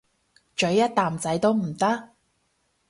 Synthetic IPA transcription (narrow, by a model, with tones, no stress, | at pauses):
t͡ʃɵ˨˥ɥjːɐ˥t̚t̪aː˨mt͡sɐ˨˥jt̪o˥wm̩˨˩t̪ɐ˥k̚